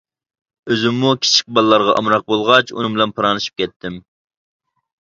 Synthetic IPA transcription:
øzɪmːukʲʰi̥t͡ʃʰi̥k̚ʲbɑlˠːɑɾʁɑʔɑ̰mɾɑq̚bolˠʁɑt͡ʃṵnɨŋmbɪlɛnpʰɨɾɑnɨʃi̥p̚kʲʰɛt̪ʰːɪm

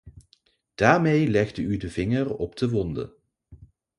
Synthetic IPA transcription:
d̥aːɹmejlɛɣdəydəvɪŋərɔbdəʋɔndə̰

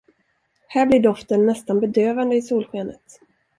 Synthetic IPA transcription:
hæːblɪɖɔft̪ənːɛst̪anbɛd̪øːvand̪əɪsuːlɧeːnə̰t̪

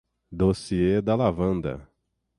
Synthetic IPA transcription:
d̪osied̪ɐlavɐ̃nd̪ɐ̰

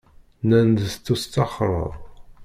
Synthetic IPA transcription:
nænd̪st̪ːust̪ːɑχɾˤə̰ðˤ

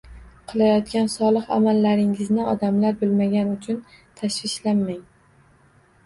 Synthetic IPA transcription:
qʰɨlˠajɒt̪̚kʲansɒlˠɨqa̰malːaɾɪŋɪznɪɒd̪amlaɾbʊlmaɡʲanʊt͡ʃʰʊn | t̪ʰaʃvɪʃlanːaŋ

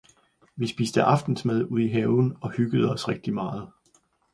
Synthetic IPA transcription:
ʋisb̥iːsd̥əʔɑ̈fd̥n̩smeðˠuð̞̰ˠiɦɛːʊn̩ɒ̽hyɡ̥əð̞̩ˠəɒ̽sʁeɡ̥̚d̥imɑ̈ːð̞̩ˠ

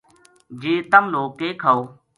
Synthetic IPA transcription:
d͡ʒeːt̪əmnoːkeːkʰəw

